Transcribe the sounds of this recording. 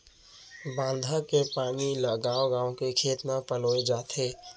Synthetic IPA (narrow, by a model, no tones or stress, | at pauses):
bãːnd̪ʱakepaːniləɡaːoɡãːõkekʰeːt̪napəloːed͡ʒaːt̪ɦeː